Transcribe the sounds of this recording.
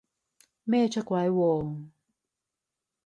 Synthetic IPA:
mɛː˥˨t͡ʃʰa˥kwa˨˦jwɔː˨˩ŋ

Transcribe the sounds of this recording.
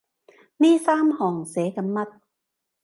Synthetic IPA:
niː˥˩˨saː˥˨mhɔː˨˩ŋseː˨˩˦ka˧˦mːa˧˥t̪̚

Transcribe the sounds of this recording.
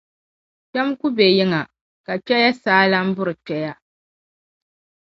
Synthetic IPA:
t͡ʃɛ˦m˦ku˦be˨jɪ˦ŋa˨ | ka˨t͡ʃɛ˦ja˦saː˦la˦m̩˦bʊ˦ɾɨ˨k͡pɛ˨ja˦

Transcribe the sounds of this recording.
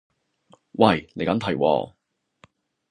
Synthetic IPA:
wɐ˨˩jne˨˧jkɐ˨˥mt̪ʰɐ˨˩jwɔ̰ː˧

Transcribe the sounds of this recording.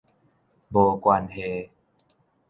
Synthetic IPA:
bo˨˩kwa˧nhe˧

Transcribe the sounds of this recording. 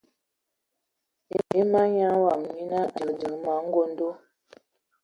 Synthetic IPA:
e˦ma˦ɲa˦wa˨mmi˦na˦də˨də˨ŋma˨˦ŋ̩˦ɡo˦n̩˦do˦

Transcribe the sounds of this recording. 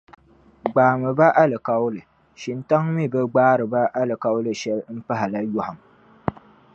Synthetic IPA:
ɡ͡baː˨mɨ˨ba˦ʔa˦lɨ˨ka˦wlɨ˨ | ʃi˨nta˦ŋmi˦˨bɛ˦ɡ͡baː˦ɾɨ˨ba˦ʔa˦lɨ˨ka˦wlɨ˨ʃɛ˦lm̩˦pa˦ɦa˨la˦jʊ˦ha˨m

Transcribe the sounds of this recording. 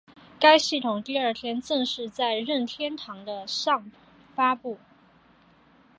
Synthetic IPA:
ka˥ɪɕi˥˩t̪ʰʊ˨˩ŋt̪i˥˧ə˞˥˩t̪ʰjɛ˥nt͡sɤ˥˧ŋʂɻ̩˥˧t͡sa˥˧ɪɻə˥˩nt̪ʰjɛ˥nt̪ʰɑ˧˥ŋd̪ə˧ʂɑ˥˧ŋ | fa˥pu˥˩

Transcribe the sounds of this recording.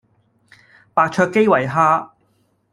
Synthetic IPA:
paː˧k̚t͡ʃʰœː˧kːe˥jwɐ˨˩jɦaː˥

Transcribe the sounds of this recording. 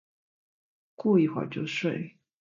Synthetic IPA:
ku˥˧i˥˩xwa̰˥˩t͡ɕjo˥˧ʊʂwe˥˩ɪ

